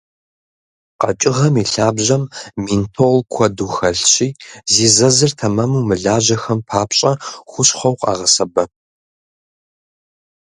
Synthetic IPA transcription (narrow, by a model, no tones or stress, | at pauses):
qɐ̰t͡ʃʼɪʁɐmiɬaːbʑɐmmintʰolkʷʰɐduːxɐɬɕiːziːzɐzɨrtʰɐmɐmumɨɮaːʑɐxɐmpʰaːpʰɕʼɐxʷʊɕχʷɐwqʼɑ̰ːʁɐsɐbɐ